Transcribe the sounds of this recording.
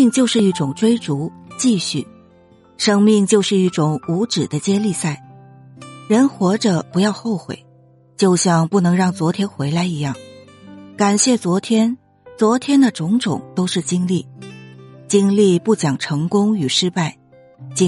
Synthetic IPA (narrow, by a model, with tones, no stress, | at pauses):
ŋt͡ɕjo˥˧ʊʂɻ̩˥˧i˥˩ʈ͡ʂʊ˨˩ŋʈ͡ʂwe˥ɪʈ͡ʂu˧˥t͡ɕi˥˧ɕy˥˩ | ʂɤ˥ŋmi˥˧ŋt͡ɕjo˥˧ʊʂɻ̩˥˧i˥˩ʈ͡ʂʊ˨˩ŋu˧˥ʈ͡ʂɻ̩˨˩d̪ə˦t͡ɕjɛ˥li˥˧sa˥˩ɪ | ɻə˧˥nxwɔ˧˥ʈ͡ʂə˧pu˧˥jɑ˥˧ʊxo˥˩ʊxwḛ˨˩˦ɪ | t͡ɕjo˥˧ʊɕjɑ˥˧ŋpu˥˩nɤ˧˥ŋɻɑ˥˩ŋt͡swɔ˧˥t̪ʰjɛ˥nxwe˧˥ɪla˧˥ɪi˧˥jɑ˥˩ŋ | ka˨˩nɕjɛ˥˩t͡swɔ˧˥t̪ʰjɛ˥n | t͡swɔ˧˥t̪ʰjɛ˥nd̪ə˨ʈ͡ʂʊ˧˥ŋʈ͡ʂʊ˨˩˦ŋt̪o˥ʊʂɻ̩˥˩t͡ɕi˥ŋli˥˩ | t͡ɕi˥ŋli˥˧pu˥˩t͡ɕjɑ˨˩ŋʈ͡ʂʰɤ˧˥ŋkʊ˥ŋy˨˩ʂɻ̩˥pa˥˩ɪ | t͡ɕ